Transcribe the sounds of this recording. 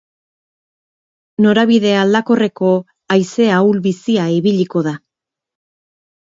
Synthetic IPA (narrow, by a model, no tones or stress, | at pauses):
no̞ɾaβiðe̞ald̪ako̞re̞ko̞ | ajse̞awlβisiaiβiʎiko̞ða